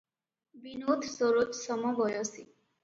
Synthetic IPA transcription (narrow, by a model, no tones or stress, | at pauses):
binot̪ʰsoɾot̪sɔmɔbɔjɔsi